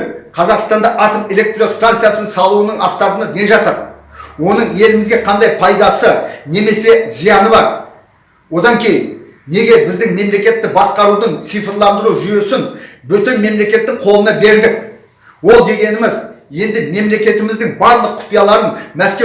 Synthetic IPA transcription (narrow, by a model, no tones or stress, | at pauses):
qʰɑzɑqst̪ɑnd̪ɑʔɑt̪ome̞lʲe̞k̚t̪ɾilˠɪkst̪ant̪sɨjasənsɑlˠuwənəɴɑst̪ɑt̪ənəne̞ʒɑt̪əɾ | wo̞nəɴe̞lɪmɪzɡʲe̞qʰɑnd̪ɑjpʰɑjd̪ɑsəne̞me̞se̞zijɑnəbɑɾ | wo̞d̪ɑŋkʲʰe̞jɪn | ne̞ɡʲe̞bɪzd̪ɪŋme̞mle̞kʲe̞t̪ːɪbɑsqɑɾud̪əɴsijfəlˠɑnd̪əɾuʒʏje̞sɪnbʏt̪enme̞mle̞kʲe̞t̪ːɪŋqʰo̞lˠənɑbe̞ɾd̪ɪk | wo̞lˠd̪e̞ɡʲe̞nɪmɪzje̞nd̪ɪme̞mle̞kʲe̞t̪ɪmɪzd̪ɪŋbɑɾlˠəqːʰʊ̥pijɑlˠɑɾənmæskʲe